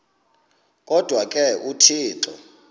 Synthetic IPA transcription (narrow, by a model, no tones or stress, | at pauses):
kʼɔd̥ʱwakʼɛʔutʰiːǁʰɔ̰